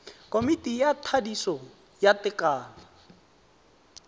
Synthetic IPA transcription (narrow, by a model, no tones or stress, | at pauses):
kʼomitʼijatʰadisɔ | jatɪkʼaːna